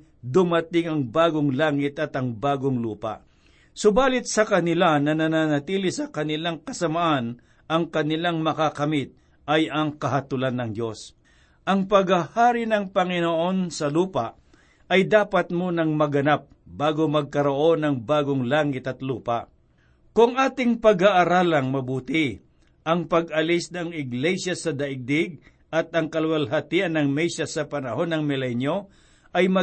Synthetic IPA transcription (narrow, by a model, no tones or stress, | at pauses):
d̪ʊmɐt̪ɪŋɐŋbaːɡoŋlaːŋɪt̪ɐt̪ɐŋbaːɡoŋluːpa̰ʔ | sʊbaːlɪt̪̚sɐkɐnɪlanɐnɐnanɐt̪iːlɪsɐkɐnɪlaŋkɐsɐmɐʔan | ʔɐŋkɐnɪlaŋmɐkakɐmɪt̪̚ | ʔɐjɐŋkɐɦɐt̪ʊlanːɐŋd̪o̞s | ʔɐŋpɐɡahaːɾɪnɐŋpɐŋɪnoʔo̞nsɐluːpaʔ | ɐjd̪aːpɐt̪̚monɐŋmɐɡɐnap̚baːɡomɐɡ̚kɐɾo̞ʔo̞nɐŋbaːɡoŋlaːŋɪt̪ɐt̪luːpa̰ʔ | kʊŋʔaːt̪ɪŋpɐɡaʔaɾaːlɐŋmɐbuːt̪ɪ | ʔɐŋpɐɡɐlɪsnɐŋɪɡlɛsjasɐd̪ɐʔɪɡ̚d̪ɪɡ̚ | ʔɐt̪̚ɐŋkɐlwɐlɦɐt̪iʔɐnːɐŋmɛjʃɐsɐpɐnɐho̞nːɐŋmɪlɛnjo̞ | ʔɐjmɐ